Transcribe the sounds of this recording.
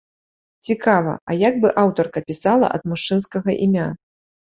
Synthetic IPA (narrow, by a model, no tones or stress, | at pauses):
t͡sʲikavɐ̰ʔɐjaɡbɨʔawt̪ɔrkɐpʲisalˠɐ̰ʔɐ̰d̪muʂt͡ʂɨnskɐɣɐʔimʲa